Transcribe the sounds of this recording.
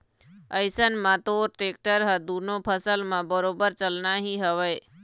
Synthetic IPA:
əɪsənmãt̪oːɾʈeːk̚ʈəɾɦəd̪uːnõpʰəsəlmãbəɾoːbəɾt͡ʃəlnaɦiɦəʋəj

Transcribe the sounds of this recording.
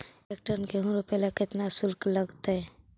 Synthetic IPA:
ek̚ʈəɾnkeɦũɾopelakɪt̪nasʊlkləɡt̪eɛ

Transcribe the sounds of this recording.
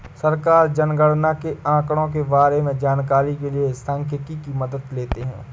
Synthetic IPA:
sɐɾkaːɾd͡ʒɐnɡəɽnakeãːkɽõk̬ebaːɾemẽd͡ʒaːnkaːɾik̬eliesɐ̃ŋkʰɪkikimɐd̪əd̪leːt̪eɦɛ̰̃ː

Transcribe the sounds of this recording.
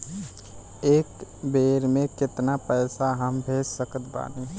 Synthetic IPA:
eːkbeːɾmẽkɪt̪napɛːsaɦəmbʱeːd͡ʒsəkət̪ba̰ːne

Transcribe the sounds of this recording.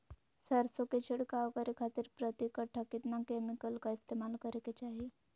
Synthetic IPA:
səɾsoket͡ɕʰiɽkaʋkəɾikʰat̪iːɾpɾət̪ikəʈʰəkit̪nakemikəlkaist̪emalkəɾeket͡ɕaɦi

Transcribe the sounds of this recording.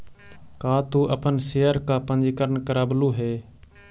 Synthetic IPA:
kaːt̪uːʔəpənseːəɾkaːpə̃nd͡ʒikəɾnkəɾaːbluːɦeː

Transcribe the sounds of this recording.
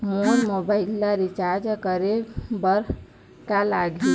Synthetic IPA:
molmobaɪlːaɾit͡ʃaɾd͡ʒkəɾebəɾ | kalaɡi

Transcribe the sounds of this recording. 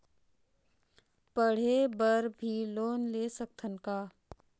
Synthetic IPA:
pəɽ̤ebəɾbʱiloːnleːsək̚t̪ʰənkaː

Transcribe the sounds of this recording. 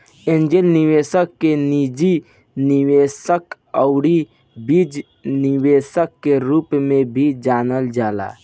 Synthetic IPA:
ẽːnd͡ʒelniʋesəkːenid͡ʒi | niʋesək | əʊɽi | bid͡ʒ | niwesəkːeɾuːpmẽbʱid͡ʒaːnəld͡ʒaːla̰

